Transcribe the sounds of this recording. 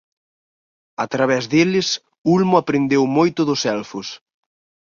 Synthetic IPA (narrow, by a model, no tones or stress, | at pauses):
at̪ɾaβ̞ɛzðelɪs | ulmʊapɾend̪ewmojt̪ʊðʊsɛlfʊs